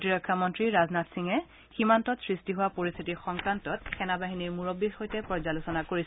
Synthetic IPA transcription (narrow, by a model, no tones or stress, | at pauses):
tiɹɔkʰːamɔntɹiɹaznatsiŋɛ | ximantɔtsɹistiɦʊwapoɹist̪ʰitixɔŋkɹantɔt̚xʰɛnabaɦiniɹmuɹɔbːixojtɛpɹɔzalosɔnakoɹis